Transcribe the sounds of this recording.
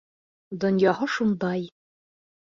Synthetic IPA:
d̪ŏnjɑhɤʃund̪ɑj

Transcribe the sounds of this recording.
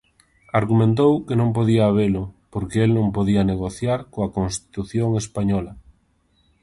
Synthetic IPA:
aɾɣumẽnt̪̬owkenõmpoðiɐːβ̞elʊpoɾkeelnõŋpoðiɐneɣoθjaɾkoɐkonst̪i̥t̪uθjoŋespaɲɔlɐ

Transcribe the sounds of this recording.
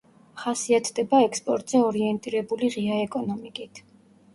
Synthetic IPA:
χasiat̪ʰd̪ɛbaɛkspʼɔɾt̪ʼz̥ɛɔɾiɛnt̪ʼiɾɛbuliʁiaɛkʼɔnɔmikʼit̪ʰ

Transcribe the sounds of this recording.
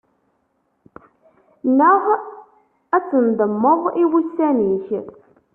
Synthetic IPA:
nəʁ | æt͡sːənd̪əmːəðˤiwusːæniç

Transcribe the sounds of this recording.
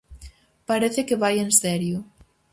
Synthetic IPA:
paɾeθekeβajensɛɾjʊ

